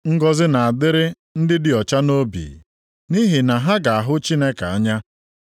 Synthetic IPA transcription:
ŋ̩˦ɡɔ˦zɪ˦na˨a˨dɪ˦ɾɪ˦ | n̩˦dɪ˦dɪ˨ɔ˨t͡ʃa˦no˦bḭː˨ | ni˦ɦi˨na˨ɦa˦ɡa˨a˨ɦʊ˦t͡ʃi˦ne˦ka˨a˦ɲa˦

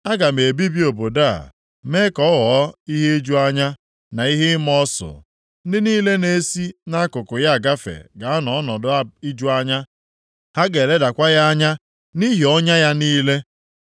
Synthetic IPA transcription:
a˦ɡa˨me˨bi˦bi˦o˨bo˨da̰˦˨ | me˦kɔ˨˦ɣɔ˨˦i˦ɦe˦e˦d͡ʒu˦a˦ɲa˦ | na˨i˦ɦɪ˦m˦ɔ˦sʊ̰˨˦ | dɪ˦niː˦le˦ne˦si˦na˦kʊ˨kʊ˨ja˦a˨ɡa˦fḛ˨ɡa˨a˦nɔ˨˦nɔ˨dʊ˦i˦d͡ʒu˦a˦ɲa˦ | ha˦ɡe˨le˦da˨kʷa˦ja˦a˦ɲa˦ | ni˦ɦi˨ɔ˦ɲa˦ja˦niː˦le˦

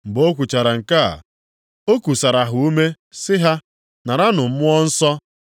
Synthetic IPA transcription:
m̩˨bo˦kʷu˨t͡ʃa˨ɾa˨ŋ̩˨ka˦a̰˨ | o˦kʷu˨sa˨ɾa˨ɦʊ˨u˦me˦ | sɪ˦ɦa˦ | na˨ɾa˦nʊ˨m̩˦mʊ˦ɔ˦n̩˦sɔ˦

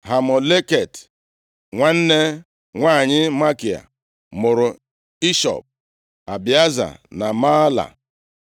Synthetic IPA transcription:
ɦa˨mɔ˨le˦ke˨t | ŋʷa˦n̩˦ne˦ | ŋʷa˦˨ɲɪ˦ma˦ki˨a̰˨ | mʊ˨ɾʊ˨ | i˦ʃɔ̰˨p̚ | a˨bi˨a˦za̰˨na˨ma˦la̰˨

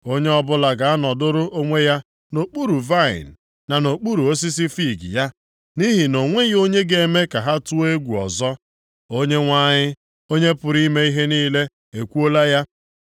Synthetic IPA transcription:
o˦ɲe˦ɔ˦bʊ˦la˨ɡa˨a˦nɔ˨dʊ˦ɾʊ˦ʔo˦ŋʷe˦ja˦ | no˨k͡pu˦ɾu˨va˦˨ɪ̰˨n̩˨ | nːa˨no˨k͡pu˦ɾu˨o˦s̬i˦s̬i˦fi˦˨ɡḭ˨ja˦ | ni˦ɦi˨no˨ŋʷe˦jo˦ɲe˦ɡe˨e˨me˦ka˨ɦa˦tu˦e˦ɡʷu˨ɔ̰˨zɔ˦ | o˦ɲe˦ŋʷa˦ɲɪ˦ | o˦ɲe˦pʊ˨ɾi˦me˦i˦ɦe˦niː˦le˦ | e˨kʷu˦o˦la˦ja˦

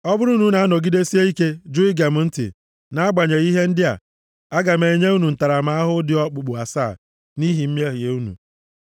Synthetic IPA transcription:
ɔ˦bʊ˦ɾu˦nu˨˦na˨a˦nɔ˨ɡi˦de˦si˦e˦i˦ke˦d͡ʒu˦i˦ɡa˨m̩˦˨˦n̩˦tḭ˨ | na˨˦a˦ɡ͡ba˨ɲe˨i˦ɦe˦n̩˦dɪ˦a̰˨ | a˦ɡa˨me˨ɲe˦u˦nu˨n̩˨ta˨ɾa˨ma˦a˦ɦʊ˦dɪ˦ɔ˦k͡pʊ˨k͡pʊ˨a˨saː˦˨ | ni˦ɦi˨m̩˦m˦e˦ɦɪ˨e˨u˦nṵ˨

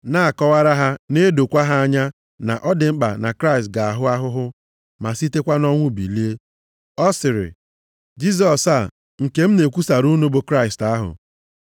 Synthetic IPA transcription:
na˦a˨kɔ˦wa˦ɾa˦ɦa˦ne˦do˨kʷa˦ɦa˦a˦ɲa˦ | na̰˨ʔɔ˦dɪ˨ŋ͡m̩˦k͡pa̰˨na̰˨kɾa˦ɪ˨stɡa˨a˨ɦʊ˦a˦ɦʊ˦ɦʊ˦ | ma˨si˦te˦kʷa˦nɔ˦ŋʷʊ˦˨bḭ˨li˦e˦ | ɔ˦sɪ˨ɾɪ̰˨ | d͡ʒi˦z̬ɔ˨sa˨ | ŋ̩˨ke˦m̩˦ne˨kʷu˦sa˨ɾu˦nu˦bʊ˨kɾa˦ɪ˨sta˦ɦʊ̰˨

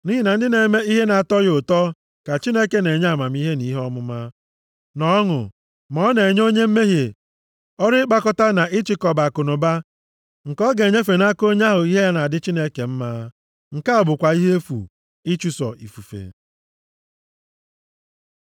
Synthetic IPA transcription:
ni˦ɦi˦˨na˨n̩˦dɪ˦ne˨me˦i˦ɦe˦na˨a˨tɔ˦jʊ˨tɔ˦ | ka˨t͡ʃi˦ne˦ke˨ne˨ɲa˦˨ma˨m̩˦i˦ɦe˦ni˦ɦɔ˦mʊ˦ma˦ | nɔ˨ɔ˦ŋʊ̰˨ | mɔ˦ne˨ɲ˦o˦ɲe˦m̩˦me˦ɦje˨ | ɔ˦ɾɪ˦k͡pa˦kɔ˦ta˦na˨ʔɪ˦t͡ʃɪ˦kɔ˨ba˨kʊ˨nʊ˨ba˦ | ŋ̩˨kɔ˦ɡe˨ɲe˦fe˨na˦ko˦ɲ˦a˦ɦʊ˨i˦ɦe˦ja˦na˨a˨dɪ˦t͡ʃi˦ne˦ke˨m̩˦maː˦ | ŋ̩˨ka˦a˨bʊ˨kʷa˨i˦ɦe˦e˦fṵ˨ | ɪ˦t͡ʃu˨sɔ̰˨ʔḭ˨fu˨fḛ˨

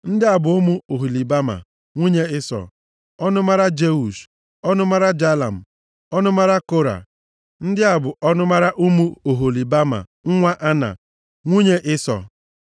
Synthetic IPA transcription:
n̩˦dɪ˦a˨bʊ˨ʊ˦mu˦o˨ɦo˨li˨ba˦ma̰˨ | ŋʷi˦ɲe˦ɪ˦sɔ̰˨ | ɔ˦nʊ˦ma˦ɾa˦d͡ʒe˦u˨ʃ | ɔ˦nʊ˦ma˦ɾa˦d͡ʒa˦la̰˨m̩˨ | ɔ˦nʊ˦ma˦ɾa˦ko˦ɾa̰˨ | n̩˦dɪ˦a˨bʊ˨ʔɔ˦nʊ˦ma˦ɾa˦ʔʊ˦mu˦o˨ɦo˨li˨ba˦ma̰˨ŋ̩˦ŋʷa˦ʔa˦na̰˨ | ŋʷi˦ɲe˦ʔɪ˦sɔ̰˨

